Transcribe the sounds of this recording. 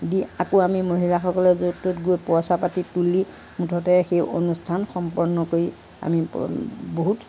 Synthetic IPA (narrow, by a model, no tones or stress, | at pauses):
diakoamimoɦilaxɔkɔlɛzototɡojpɔsapatituli | mutʰɔtɛxejʔo̰nustʰanxɔmpɔɹnɔkoɹi | a̰miboɦut